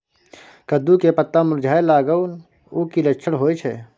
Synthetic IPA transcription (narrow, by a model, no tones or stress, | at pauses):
kəd̪ukepət̪ːamʊɾd͡ʒʱaːelaːɡəun | ukiləkːt͡ʃʰəɽɦoːjt͡ʃʰɛː